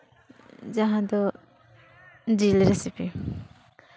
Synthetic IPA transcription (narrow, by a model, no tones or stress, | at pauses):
d͡ʒaɦãd̪ɔ | d͡ʒilɾesipi